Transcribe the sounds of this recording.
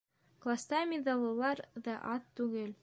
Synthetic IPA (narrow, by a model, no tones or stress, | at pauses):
klˠast̪ɑmʲed̪alˠɤ̆lˠɑɾðɑʔɑt̪ːʉɡɘl